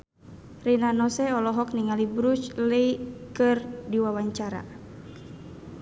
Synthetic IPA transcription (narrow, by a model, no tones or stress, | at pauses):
rinanɔsɛɔlɔɦɔk̚niŋalibɾut͡ʃləikɨrdiwawaɲt͡ʃaɾa̰